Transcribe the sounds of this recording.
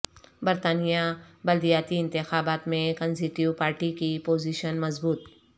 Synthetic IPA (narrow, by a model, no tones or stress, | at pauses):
bɐɾt̪aːnijabɐld̪ijaːt̪iɪ̃nt̪ɪxaːbaːt̪mẽkənsiʈiwpaːɾʈikipoːziːʃənmɐzbuːt̪